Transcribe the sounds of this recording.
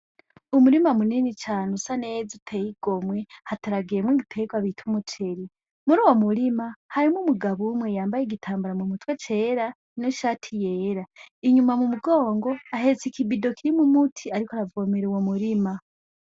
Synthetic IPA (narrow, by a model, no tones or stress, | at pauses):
umuɾimamuniːnit͡ʃaːnusanezitʰejiɡ̥o̞mwe̞hataɾaɡiɾemwiːɡipʰeɡwaβitʰumut͡ʃʰe̞ɾi | muɾuːwo̞muɾimahaɾimumuɡaβumwe̞jaːmbajeɡitʰaːmbaɾamumutwet͡ʃeːɾa | inoʃaːtʰije̞ːɾaiɲumamumuɡo̞ːŋɡo̞aɦe̞t͡sikibido̞kiɾimumutʰiaɾikaɾavomeɾewomuɾima